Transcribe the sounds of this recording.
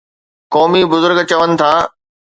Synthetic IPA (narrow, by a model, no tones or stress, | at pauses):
kɔːmibʊzʊɾɡt͡ɕɐʋənɪ̆t̪ʰaː